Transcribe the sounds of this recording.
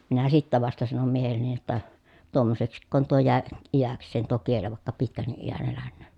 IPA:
minæ sitːæ ʋɑstɑ sɑnom miehelːeni jotːɑ tuomːoseksikːoːn tuo jæˑe ijæksˑeːn tuo kieli ʋɑˑekːɑ pitkænːiʔ ʔijæn elænːøːn

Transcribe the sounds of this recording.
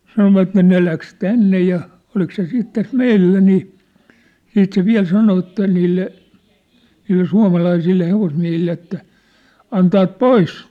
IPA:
sɑnoʋɑtːe ne læks tænːe jɑ olik se siːt tæs meilːæ niː siːt se ʋiæ̝l sɑno etːæ niːlːe niːlːe suɑ̝mɑlɑisilːe heʋosmiæ̝hilːe etːæ ɑntɑːt pois

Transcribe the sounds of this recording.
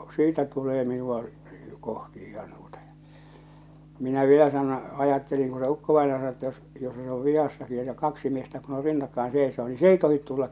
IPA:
siːtæ tuleː minuɑ kohti ihɑn tuotɑ j̊ɑ̥ minæ ʋielæ sɑno ɑjɑtːeliŋ ku se ukːoʋɑinɑjɑ sɑno etːæ jos jos se oʋ ʋihɑsːɑki etːæ kɑksi miestæ kun on rinːɑkːɑen seˑe̝soː ni s ei tohit tulːɑk

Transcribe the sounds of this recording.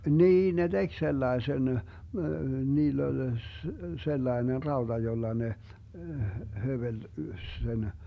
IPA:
niːn ne d̥eɡ̊ selːɑesen niːlː olʲ selːɑener rɑod̥ɑ jolːɑ ne høʋel sen

